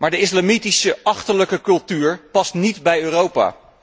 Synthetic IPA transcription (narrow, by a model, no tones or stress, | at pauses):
maːɹdəɪslamitisəɑχtələkəkɵlˠtyːɹpɑstnidbɛjøːrowpa̰ː